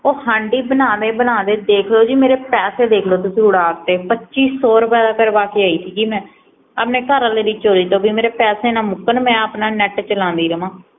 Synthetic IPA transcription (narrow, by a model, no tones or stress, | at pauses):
oːhãːɳɖiːbənãːd̪eːbənãːd̪eːd̪eːkʰloːd͡ʒiːmeːɾeːpɛːseːd̪eːkʰloːt̪ʊsĩːʊɽaːkt̪eːpətːʃiːsoːɾpɛːd̪aːkəɾbaːkiːaːiːsʰiːkiːmɛ̃ː | aːpneːkaːɾãːleːɾiːt͡ʃoːɾiːt̪õːbiːmeːɾeːpɛːseːnãːmʊkːənmɛ̃ːaːpnaːnɛʈt͡ʃəlãːnd̪iːɾəmãː